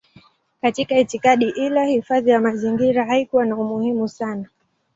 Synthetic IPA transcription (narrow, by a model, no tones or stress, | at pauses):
katikaitikaɗiʔilahifaðijamaziŋɡiɾaɦaikuwanaumuhimusana